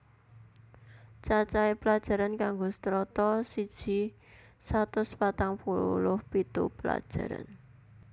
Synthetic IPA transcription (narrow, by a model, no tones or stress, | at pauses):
t͡ʃat͡ʃaepəlad̥ʒ̥a̤ɾankaŋɡost̪ɾɔt̪ɔsid̥ʒ̥i̤ | sat̪ʊspat̪aŋpulʊhpit̪ṵpəla̰d̥ʒ̥a̤ɾa̰n